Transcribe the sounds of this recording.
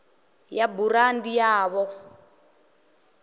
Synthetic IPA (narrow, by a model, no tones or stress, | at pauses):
jaburandijaːβɔ